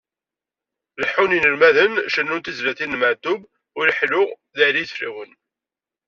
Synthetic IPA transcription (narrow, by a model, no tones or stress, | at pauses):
ləħuninəɾmæðənʃənːʊnt̪izlæθinːməʕd̪ʊb | ʊlħlʊʁ | ðælijθrḭwən